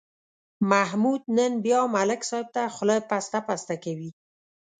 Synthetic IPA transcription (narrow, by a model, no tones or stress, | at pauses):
mahmud̪̚nənbjɑmalɪksɑɪb̚t̪axʊlɑjpast̪apast̪akawi